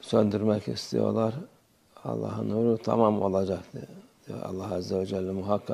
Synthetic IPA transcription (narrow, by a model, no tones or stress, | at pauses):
sønd̪yɾmɛkist̪ʰḭjo̞̰lˠaɾ | ɑ̰lˠːɑ̰ːɦɯnuːɾut̪ʰa̰mamo̞lˠad͡ʒakt̪ʰɯd̪̥ijo̰ɾa̰lˠːahazːɛvɛd͡ʒælʲːɛmuɦakʰːa